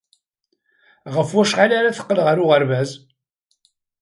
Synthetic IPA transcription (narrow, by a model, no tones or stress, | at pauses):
ʁəfwæʃʁalaɾaθə̥qːəlʁəɾʊʁəɾvæz